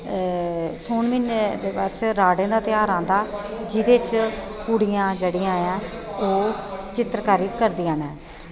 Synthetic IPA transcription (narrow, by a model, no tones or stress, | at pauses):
soːnmɪnd̪eːbət͡ʃɾaːɖẽːd̪aːt̪ɪjaːɾãːnd̪aː | d͡ʒɪd̪eːt͡ʃ | puːɽijãːd͡ʒeːɽiːãːãː | oːt͡ʃɪt̪ɾkaːɾiːkəɾd̪iːãːnɛ̃ː